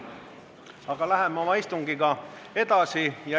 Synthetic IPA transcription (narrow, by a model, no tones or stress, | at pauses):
ɑɡ̥ɑlæɦemːo̞mɑist̪uŋɡ̥iɡɑe̞d̪̥ɑsijɑ